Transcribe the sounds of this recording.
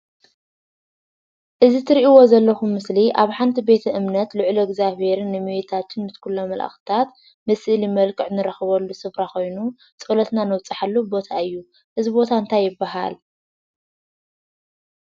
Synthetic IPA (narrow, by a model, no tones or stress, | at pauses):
ʔɨzit̪ʰɨɾiʔiwo̞zɐlːɐxumːɨsliʔaβħant̪ʰibe̞t̪ʰɐʔɨmnɐt̪lɨʕloɡzaβe̞ɾɨnːɨmiwet̪ʰat̪ʰɨnmɨt̪kʰulːomɐlʔa̰xɨ̥t̪ʰat̪ | mɨsʔɨlimɐlkʼɨʕnɨɾɐxɨβɐlːusɨβɾako̞jnu | t͡sʼɨlɐt̪nanɐwt͡sʼaħalːubo̞t̪ʰaɨjːu | ʔɨzibo̞t̪ʰaɨnt̪ʰajːɪbːaɦa̰l